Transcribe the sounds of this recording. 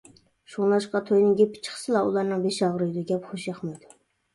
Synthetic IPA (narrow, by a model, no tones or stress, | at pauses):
ʃunlˠɑʃqɑt̪ʰojnɪŋɡʲɛpʰːɪ̥t͡ʃʰə̥χsɨlˠɑulˠɑɾnɨŋbeʃɑʁɾɨjd̪uɡʲɛpχoʃjɑχmɑjd̪u